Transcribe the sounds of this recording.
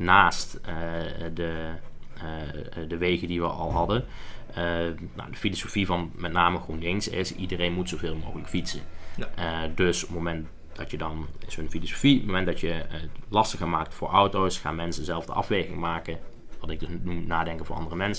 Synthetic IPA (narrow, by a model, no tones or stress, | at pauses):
naːstədə | dəʋejɣədiʋəʔɑ̰lˠɦɑdə | no̰wdəfilosofivɑnmɛtnaːməχrundɪŋsɪ̰sidərejnmutsovɪːlˠmo̰wɣələkfitsə | døsəpmomɛnt | d̥ɑtjədɑnɪsəənfilosofiətmowmɛntdɑtjəlɑstəxəmaːk̚tfʊːɹʔɔwtowsχa̰ːnmɛnsəzɛlˠvdə̰ʔɑ̰fʋejɣɪŋmaːkən | ʋɑtɪɡ̚dəsnumnaːdɛŋkənvʊːʔɑ̰ndərəmɛnsə